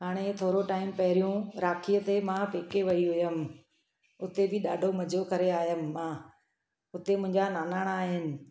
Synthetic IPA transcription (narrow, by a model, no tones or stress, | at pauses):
ɦaːɽ̃et̪ʰoːɾoʈaːɪmpɐɦɪɾijũɾaːkʰijət̪emãpeːkeʋɐiɦʊjəmɪ̆ | ʊt̪ebɪɗaːɖʱomɐd͡ʑʱokɐɾeaːɦɪjəmɪ̆ːãː | ʊt̪emʊ̃ɦɪ̃ɲd͡ʑanaːnaːɽ̃aːɦɪnɪ̆